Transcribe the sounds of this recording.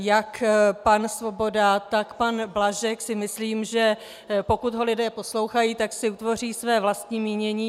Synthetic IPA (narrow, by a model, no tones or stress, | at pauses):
jakpansvo̞bo̞dat̪akpanblaʒɛksɪmɪsliːmʒɛ | po̞kut̪ɦo̞lɪdɛːpo̞slo̞wxajiːt̪aksɪut̪vo̞riːsvɛːvlast̪ɲiːmiːɲɛɲiː